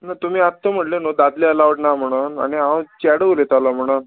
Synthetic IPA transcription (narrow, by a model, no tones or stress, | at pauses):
nat̪umiːat̪ːəm̤əʈlenod̪ad̪ljalawɽnam̤əɽ̃uːna̰ɽiɦãwt͡ɕɛɽəʋlet̪alam̤əɽ̃un